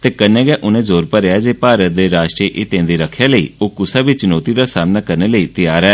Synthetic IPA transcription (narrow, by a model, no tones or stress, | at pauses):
t̪eːkənẽːɡɛːʔʊnẽːzoːɾpəɾeaːd͡ʒeːpaːɾət̪̚d̪eːɾaːʃʈɾiːʔɪt̪ẽːnd̪iːɾəkʰːjaːləḭːoːkʊsaːbiːt͡ʃʊnoːt̪iːd̪aːsaːmnaːkəɾneːləiːt̪ɪjaːɾɛː